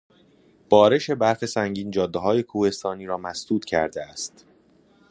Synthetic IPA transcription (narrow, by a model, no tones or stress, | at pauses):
b̥ɒːɾe̞ʃe̞bæɾxe̞sæŋɟiːnd͡ʒɒːd̪ːeɦɒːje̞kʰuːhe̞st̪ɒːniːɾɒːmæsd̪̥uːt̪cʰæ̰ɾd̪eæst̪